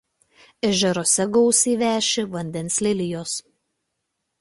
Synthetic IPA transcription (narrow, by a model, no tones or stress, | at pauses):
ɛʒʲɛɾoːsʲɛɡɔʊsʲiːʋʲæːʃʲɪʋɐnʲd̪ʲɛnsʲlʲɪlʲɪjoːs